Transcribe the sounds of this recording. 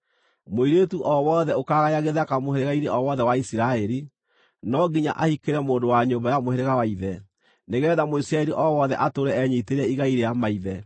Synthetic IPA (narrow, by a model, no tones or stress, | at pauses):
moiɾetuʔɔwɔðɛokaːɣajaɣeðakamoheɾeɣaineʔɔwɔðɛwaisiɾaɛɾi | nɔɡiɲa̰ʔahikeɾɛmoːndowaɲoːmbajamoheɾeɣawaiðɛ | neɣɛːðamoisiɾaɛɾiʔɔwɔðɛʔatoɾɛɛɲiteɾɛiɣaiɾeamaiðɛ